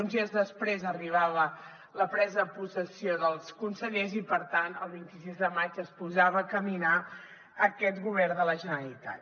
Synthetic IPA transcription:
unzezðəspɾezəriβ̞aβə | ləpɾɛzəpusəsioðəlˠskunsəʎezipəɾt̪ant̪əlˠβint̪isizðəmad͡ʒəspuzaβəkəmina | əkɛt̪ɣuβɛɾðələʒənəlit̪a̰t̪

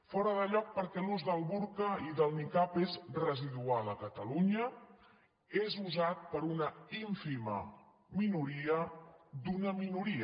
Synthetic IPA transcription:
fɔɾəðəʎɔk̚pəɾkɛluzðəlˠβuɾkəiðəlˠnikapezrəziðualəkət̪əluɲə | ezuzat̪̚pəɾunəiɱfimə̰ | minuɾiəd̪unəminuɾiə

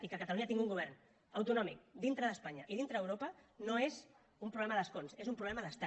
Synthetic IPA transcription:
ikəkət̪əluɲat̪iŋɡuŋɡuβ̞ɛɾn | əwt̪unɔmik̚d̪int̪ɾəðəspaɲəʔiðint̪ɾəːwɾopənoez | umpɾuβlɛməðəskonsezumpɾuβlɛməðəst̪a

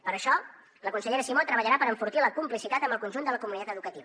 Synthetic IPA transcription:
pəɾəʃɔ | ləkunsəʎeɾəsimot̪ɾəβəʎəɾapəɾəɱfuɾt̪iləkumplisit̪at̪əmbəlˠkunʲʒund̪ələkumunit̪at̪əðukət̪iβə

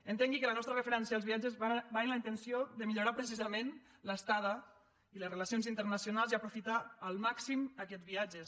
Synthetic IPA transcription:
ənt̪eŋɡikələnɔst̪ɾərəfəɾɛnsiaːlˠzβiad͡ʒəzbaenləint̪ənsioðəmiʎuɾapɾəsizəmen | ləst̪aðə | iləsrəlasionzint̪ərnəsiunalˠziəpɾufit̪aːlˠmaksiməkɛd͡zβiad͡ʒəs

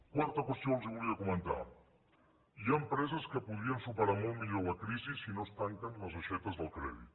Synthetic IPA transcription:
kwaɾt̪əkwəst̪joalˠziβuliakumə̃nt̪a̰ | iaəmpɾɛzəskəpuð̞ɾiənsupəɾamolˠmiʎolɐkɾizisinost̪aŋkənləzaʃɛt̪əzðəlˠkɾɛ̰ðḭt̪

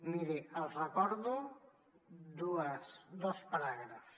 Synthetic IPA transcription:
miɾiəlˠrəkɔɾðu | d̪uəsd̪ɔspəɾaɣɾəfs

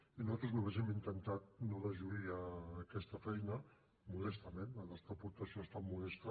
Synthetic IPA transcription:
inuzat̪ɾozuaβeʒimint̪ənt̪at̪̚noðəʒuiəkɛst̪əfɛjnə | mulɛst̪əmenəlɛst̪apuɾt̪əsijoest̪ammulɛst̪ə

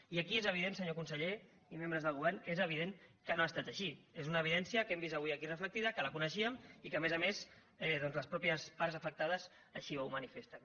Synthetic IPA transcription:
iəkiezəβ̞iðensəɲokunsəʎe | imẽmbɾəzðəlˠɣuβɛɾnezəβiðeŋkənoast̪at̪əʃiezunəːβ̞iðɛnsjəkɛmbizt̪əβuiəkirəfləkt̪iðəkələkunəʃ̬iəmikəmezəmez | ɛðɔnzləspɾɔpiəspaɾzəfək̚t̪aðəz | əʃiβawmənifest̪ən

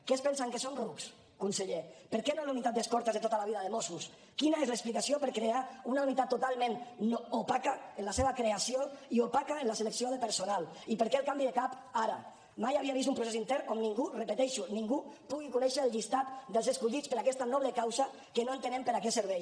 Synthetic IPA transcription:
kespɛnsaŋkesonruks | kunseʎepəɾkɛnolunit̪at̪̚d̪eskɔɾt̪ezðet̪ot̪alaβiðəðemosus | kinaezləːksplikasiopəɾkɾeaunaunit̪at̪ːut̪alˠmẽnnoopakaenlaseβ̞akɾeasjoiopakaenlaseləksioðepəɾsonalˠipəɾkɛəlˠkambiðekap | aɾa | majaβiaβist̪umpɾusesint̪ɛɾomniŋɡurəpət̪ɛʃuniŋɡupuɣikunɛʃəːlˠʎist̪at̪d̪əlˠzəskuʎit͡spəɾakɛst̪anɔβləkawza | kənoent̪enempəɾakɛt̪səɾβ̞ɛj

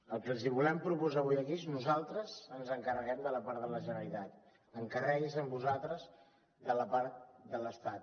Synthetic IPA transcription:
əlˠkəlˠz̬iβulɛmpɾupuzaβujəkieznuzalˠt̪ɾəzənzəŋkərəɣɛmd̪ələpaɾðələʒənəɾlit̪at̪ | əŋkərɛɣizəmbuzalˠt̪ɾəz | d̪ələpaɾt̪d̪ələst̪at̪

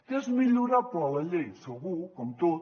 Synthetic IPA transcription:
t̪ezmiʎuɾapɾɔlɐʎejsoɣukomut̪oð

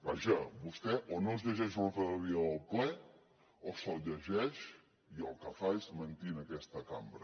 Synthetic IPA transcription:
baʒəbust̪ɛʔonozʎəʒɛʃunəfəɾəβiəðəlˠplɛ | osəlˠʎəʒɛʃ | iəlˠkəfaezmənt̪inəkɛst̪əkambɾə

